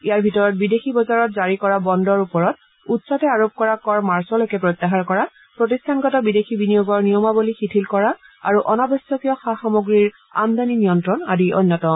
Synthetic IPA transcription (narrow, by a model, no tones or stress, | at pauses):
ijaɹbʱitɔɹɔt̚bidexibɔzaɹɔtzaɹikɔɹabɔndɔɹupɔɹɔt̚ | utsɔtɛaɹop̚kɔɹakɔɹmaɹsɔlojkɛpɹɔjt̪ːaɦaɹkɔɹa | pɹɔtistʰanɡɔtɔbidexʰibinijoɡɔɹnijɔmabolixitʰilkɔɹa | a̰ɹuʔɔnabɔsɔkijɔxaxamoɡɹiɹ | a̰md̪aninijɔntɹɔna̰diɔ̰nːjɔtɔ